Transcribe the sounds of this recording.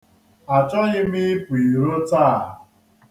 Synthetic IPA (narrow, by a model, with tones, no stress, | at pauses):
a˨t͡ʃɔ˦ɣɪ˦mi˦pʊ˨i˨ɾo˦ta˦˨